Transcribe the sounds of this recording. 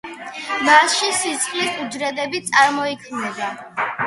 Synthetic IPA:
masʃisit̪sʼχʼlisʼud͡ʒɾɛd̪ɛbit̪sʼaɾmɔikʰmnɛba

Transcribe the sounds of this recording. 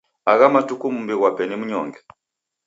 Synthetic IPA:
aɣamatukumumbiɣwapɛnimuɲɔ̰ŋɡɛ

